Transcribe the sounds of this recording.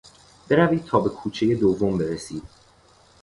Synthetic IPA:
b̥e̞ɾæviːt̪ʰɒːbe̞kʰuːt͡ʃʰe̞je̞d̪ovːombe̞ɾesiːd̪̥

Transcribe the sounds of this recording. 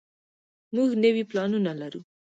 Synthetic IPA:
muɡnəwiplɑnunalaɾu

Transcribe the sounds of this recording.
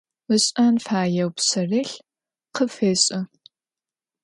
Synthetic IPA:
əɕʼaːnfaːjɐwpsɐreːɬ | qʰəfeːɕʼɐ

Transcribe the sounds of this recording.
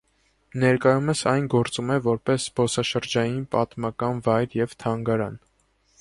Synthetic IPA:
nɛɾkɑjuməsɑjnɡɔɾt͡sumɛvɔɾpɛsbɔsɑʃəɾd͡ʒɑjinpɑt̪mɑkɑnvɑjɾjɛvt̪ʰɑŋɡɑɾɑn

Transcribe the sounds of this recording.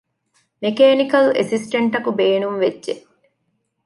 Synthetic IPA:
mekeːnikɐlḛsisʈɐɳʈɐkubeːnumʋedʒe

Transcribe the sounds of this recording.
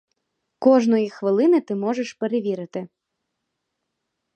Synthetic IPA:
kɔʐnɔjixʋɨlˠɨnɨt̪ɨmɔʐɛʂpɛɾeʋʲiɾɨt̪ɪ

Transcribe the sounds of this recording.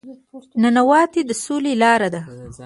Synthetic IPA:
nanawɑt̪ed̪əsolelɑɾad̪a

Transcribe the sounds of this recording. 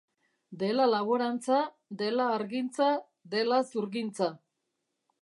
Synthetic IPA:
d̪e̞lalaβoɾant͡sa | d̪e̞laːɾɣint͡sa | d̪e̞lasuɾɣint͡sa

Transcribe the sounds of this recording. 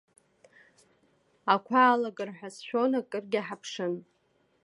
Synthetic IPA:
akʷʰaːlaɡʼɨrħʷᶣasʃᶣonakʼɨrɡʲaħapʰʂɨn

